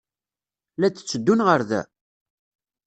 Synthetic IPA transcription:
læt͡sːə̥t͡sːəd̪ːunʁəɾðæ̰

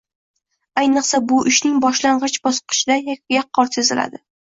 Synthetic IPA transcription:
ajnɨqsabʊʔɪʃnɪŋbɒʃlaɴʁɨt͡ʃbɒsqʰɨ̥ʃɪd̪ajak̚ʲɡʲaqʰːɒɾt̪sezɪla̰d̪ɪ

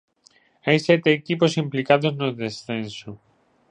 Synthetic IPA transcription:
ɐiset̪eciposimplikɐðoznoðesθenso

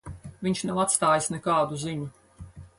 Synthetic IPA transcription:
viɲʃnawat̪st̪aːjisnɛkaːd̪uziɲu

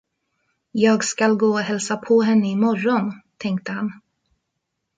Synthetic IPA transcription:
jɑːɡskalɡoːɔɦɛlsapʰɔɦɛnːəɪmɔɾːɔnt̪ʰɛŋk̚t̪əhan

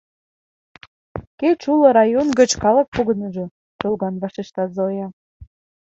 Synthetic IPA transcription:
keʃulɤ̆ɾɑjonɡə̆t͡ɕkɑlə̆k̚puɣə̆nəʒɤ̆ | t̪olɣɑnβɑʃeʃt̪ɑt̪zojɑ

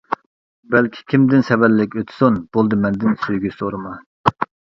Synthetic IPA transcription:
bɛlkʲʰi̥kʲʰimd̪ɪnsɛvæɾlɪkʲøt̪ʰsunb̥olˠd̪ɨmɛnd̪ɪnsøjɡʲysoɾɨmɑ

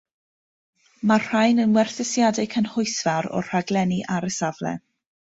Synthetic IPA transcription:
mar̥ajnənwɛrθɪsjadɪkʰənhʊjsvaɾɔ̰r̥aɡlˠɛniʔaɾəsavlɛ̰

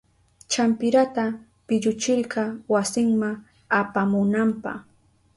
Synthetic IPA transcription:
t͡ʃampɪɾat̪a | pɪʎʊt͡ʃɪlɢɑwasɪŋmaŋ | apamʊnampɑ̰χ

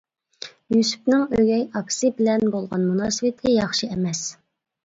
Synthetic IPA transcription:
jysy̥p̚nɪŋøɡʲɛjɑksɨbɪlɛnbolˠʁɑnmunɑːsɨwɪt̪ʰɪjɑχʃiɛmɛs

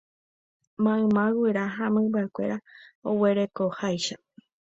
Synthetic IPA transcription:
mãɨ̃mãweɾaɦãmɨ̃baekʷe̞̰ɾaowe̞ɾe̞kohajʃa

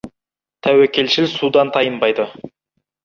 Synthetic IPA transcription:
t̪ʰæwekʲʰe̞lʃɪlsud̪ɑnt̪ʰɑjəmbɑjd̪ə

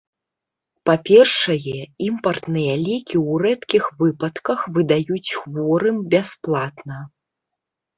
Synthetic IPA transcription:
papʲɛrʂɐjɛimpɐrt̪nɨjɐlʲikʲiwɾɛt̪kʲixvɨpɐt̪kɐxvɨd̪ajut͡sʲxvɔɾɨmbʲasplˠat̪nɐ

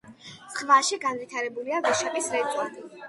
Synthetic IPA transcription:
sχvaʃiɡanvit̪ʰaɾɛbuliavɛʃapʼisɾɛt̪ʼani

